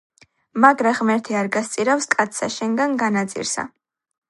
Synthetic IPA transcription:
maɡɾaʁmɛɾt̪ʰiaɾɡast̪sʼiɾafskʼat̪sʰsaʃɛŋɡanɡanat̪sʼḭɾsa̰

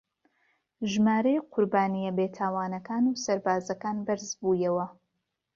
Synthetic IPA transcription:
ʒmaːɾɐjqʰʊɾbaːnijɐbeːt̪ʰaːwaːnɐkaːnuːsɐɾbaːzɐkaːnbɐɾzbuːjɐwɐ

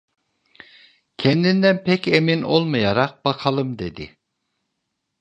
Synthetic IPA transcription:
kʲʰɛnd̪ind̪ɛnpʰɛkʲeminolˠmɯjɑɾɑq̚b̥ɑqʰɑlˠɯmd̪ed̪ɪ̰

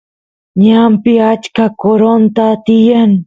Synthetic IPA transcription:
ɲampɪat͡ʃkakoɾont̪at̪ɪjaŋ

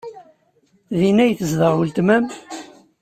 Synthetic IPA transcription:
ðinæjθəzðəʁwəlt̪mæm

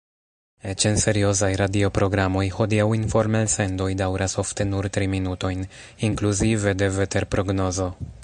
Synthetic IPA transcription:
e̞t͡ʃe̞nse̞ɾio̞zajɾadio̞pɾo̞ɡɾamo̞jho̞diawinfo̞ɾmelse̞ndo̞jdawɾaso̞fte̞nuɾtɾiminuto̞jn | iŋkluzive̞de̞vete̞ɾpɾo̞ɡno̞zo̞

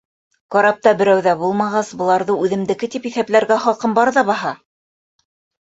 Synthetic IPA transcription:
qɑɾɑp̚t̪ɑbɘ̆ɾæwðæbulˠmɑʁɑsbɤ̆lˠɑɾðɤʉðɘ̆md̪ɘ̆kɘt̪ipiθæplæɾɡæχɑqɤmbɑɾðɑbɑɦɑ

